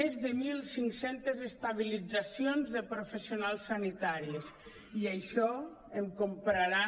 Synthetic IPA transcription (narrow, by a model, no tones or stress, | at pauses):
ezðəmilˠsiŋksent̪ezest̪aβilid͡zasionzðəpɾofesionalˠsːanit̪aɾis | iajʃɔ | emkompɾaɾa